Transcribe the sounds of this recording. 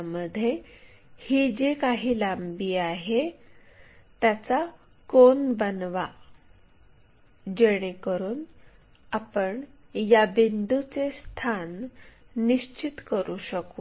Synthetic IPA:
məd̪ʱːje | hiːd͡ʑekaɦiːlambiːaɦe | t̪jat͡sa | konbənʋa | d͡ʑeɽ̃ekəɾuːn | apəɳjabind̪ut͡sest̪ʰanː | iɕt͡ɕit̪kəɾuːɕəku

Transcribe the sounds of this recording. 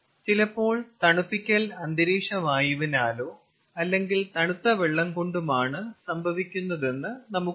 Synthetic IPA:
t͡ɕilɐpːo̞ːɭt̪ɐɳupːikʲːɐlɐnd̪ʱɐɾiːʂɐmaːjuʋinaːlo̞ː | ɐlːe̞ŋɡilt̪ɐɳut̪ːɐʋeɭːɐmko̞ɳɖumaːɳɨsɐmbʱɐʋikʲːunːɐðe̞nːɨnɐmu

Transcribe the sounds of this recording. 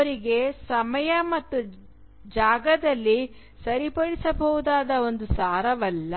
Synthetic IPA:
ɐɐɾiɡe̞sɐmɐjɐmɐt̪ːu | d͡ʒaːɡɐd̪ɐlːi | sɐɾipɐɽisɐbɐɦud̪aːd̪ɐo̞nd̪usaːɾɐʋɐlːɐ

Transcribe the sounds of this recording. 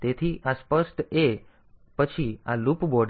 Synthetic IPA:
t̪et̪ʰiʔaspəsʈ̪e | pət͡ʃʰia̰lupboɖ

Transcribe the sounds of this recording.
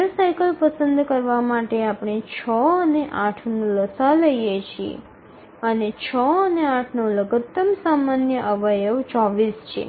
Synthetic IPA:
əsajkəlpəsənd̪ʱkəɾʋamaʈeapɳ̃et͡ʃʰəəneʔãʈʰnũləsaləjjet͡ʃʰiḛ | ənet͡ʃʰəəneaʈʰnũləɡət̪ːəmsamanjəʔəʋəjəʋt͡ʃɔʋist͡ʃʰḛ

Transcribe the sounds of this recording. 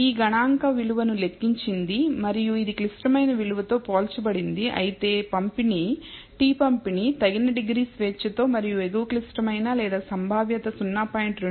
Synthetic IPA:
iːɡɐɳaːŋkɐʋiluʋɐnule̞kːiɲt͡ʃind̪imɐɾijuid̪iklisʈɐmɐjnɐʋiluʋɐt̪o̞ːpoːlt͡ʃɐbɐɽind̪iʔɐ̰jit̪e̞ːpɐmpini | ʈiːpɐmpinit̪ɐɡinɐɖiɡɾiːsʋeːt͡ʃːɐt̪o̞ːmɐɾijueɡuklisʈɐmɐjnaːlɛːd̪aːsɐmbʱaːʋjɐt̪ɐsunːaːpaːjeɳʈɾe

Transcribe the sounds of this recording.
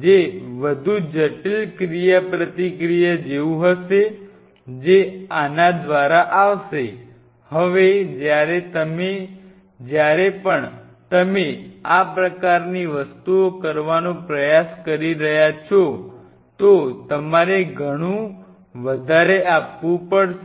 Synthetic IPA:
d͡ʒeʋəd̪ʱud͡ʒəʈilkɾijapɾət̪ikɾijəd͡ʒeũɦəʃe | d͡ʒeanad̪ʋaɾaʔaʋʃe | həʋed͡ʒjaɾet̪əme | d͡ʒjaɾepəɳ | t̪əmeapɾəkaɾniʋəst̪uokəɾʋanõpɾəjaskəɾiɾəɦjat͡ʃʰo | t̪ot̪əmaɾeɡʱəɽ̃ũ | ʋəd̪ʱaɾeapʋũpəɽ

